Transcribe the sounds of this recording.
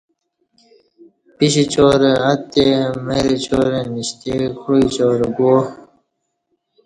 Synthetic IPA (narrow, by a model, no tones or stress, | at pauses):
piɕit͡ɕoːɾeat̪ːemeɾet͡ɕoːɾeniɕt̪ekʰuit͡ɕoːɾeɡo